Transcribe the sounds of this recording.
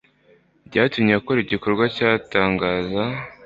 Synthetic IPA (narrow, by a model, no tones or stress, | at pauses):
bɟaːtumɲakoɾiɟiko̞ɾɡwacaːtaːŋɡaːza